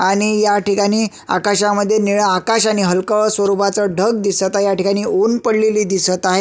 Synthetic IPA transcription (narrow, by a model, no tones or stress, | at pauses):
aɽ̃ijaʈikaɽ̃iː | a̰kaɕaməd̪ʱːjeniɭəakaɕaɽ̃iɦəlkəsʋəɾupat͡səɖʱəɡ̚d̪isət̪aɦejaʈikaɽ̃iːonpəɽleliːd̪isət̪aɦe